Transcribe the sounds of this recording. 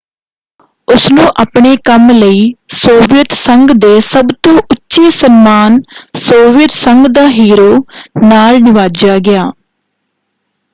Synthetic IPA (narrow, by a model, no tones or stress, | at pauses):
ʊsnũːʔaːpɳeːkəmləiːsoːʋɪjət̪səŋɡd̪eːsəbt̪õːʔʊtːʃiːsənmaːnsoːʋɪjət̪səŋɡd̪aːɦiːɾoːnaːlnɪʋaːd͡ʒaːɡɪjaː